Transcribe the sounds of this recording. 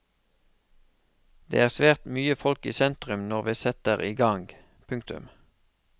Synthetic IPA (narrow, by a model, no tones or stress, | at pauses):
d̪ḛːæːʁsʋeːʁt̪myːəfɔlkḭːsɛnt̪ʁʉmnɔʁʋiːsɛt̪əʁiːɡɑŋɡ | pʰʉŋkt̪ʉ̰m